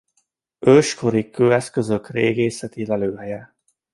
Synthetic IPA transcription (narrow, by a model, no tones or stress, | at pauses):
øːʃkoɾikʰøːɛskø̞zø̞kreːɡeːsɛt̪ilɛløːɦɛjɛ